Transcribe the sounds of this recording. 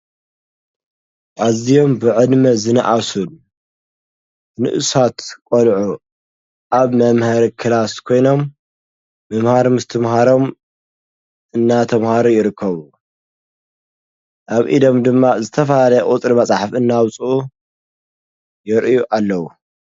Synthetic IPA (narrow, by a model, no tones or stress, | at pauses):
ʔazijo̞mbɨʕɨd̪mɐzɨnɐʔasun | nɨ̰ʔɨsat̪kʼolʕu | ʔaβmɐmhɐɾikʰɨlaskʰo̞jno̞mː | ɐmhaɾmɨst̪ʰɨmɦaɾo̞m | ʔɨnːat̪ʰɐmhaɾujɪɾɨkʰːɐβu | ʔaβʔḭd̪o̞md̪ɨmːazɨt̪ʰɐfɐlalɐjɐʔʼut̪ʼɾimɐt͡sʼaħfɨnːawt͡sʼuu | jɪɾʔɨjuʔalːɐwu